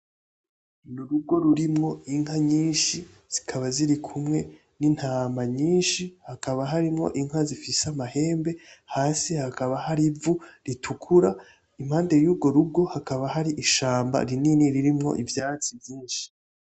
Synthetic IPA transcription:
nuɾub̚ɡo̞ɾuɾimŋo̞iŋ̥haɲiːnʃi | z̥ikʰaβaziɾikʰumŋe̞ | nin̥haːmaɲiːnʃihakaβaɦaɾimŋo̞̰ʔiŋ̥azifisamahe̞ːmbe̞haːsihakaβahaɾivuɾitʰukʰuɾa | im̥haːnde̞juːb̚ɡo̞ɾub̚ɡo̞hakaβaɦaɾiʔiʃaːmba̰ɾininiɾiɾimŋo̞̰ʔivjaːt͡sivjiːnʃi̥

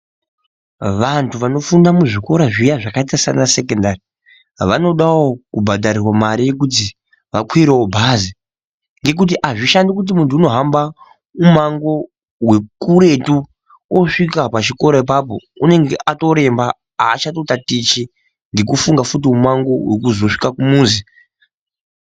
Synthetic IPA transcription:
ʋantʰuʋano̞fundamuʐiko̞ɾaʐijaʐakaitasanase̞kendari | ʋano̞ɗawokubʱadaɾirwamaɾije̞k̬ut̬i | ʋakwiɾeobʱazi | ŋɡe̞k̬ut̬iʔaʐiʃandikut̬imuntuːno̞ɦamba | umaŋɡo̞ | ɦwe̞kuɾe̞tu | oʂikapat͡ʃiko̞ɾoip̬ap̬o̰une̞ŋɡḛʔato̞ɾe̞mba | aːt͡ʃatotatit͡ʃi | ndikufuŋɡafut̬iumaŋɡo̞wekuzo̞ʂi̥kakumuːnzi

